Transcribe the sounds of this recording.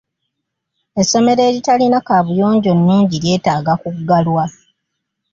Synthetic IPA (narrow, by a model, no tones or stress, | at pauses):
e̞so̞me̞ɾe̞ːɾitalinakaβujo̞ːɲɟo̞nːuːɲɟiɾje̞ːtaːɡakukɡalwa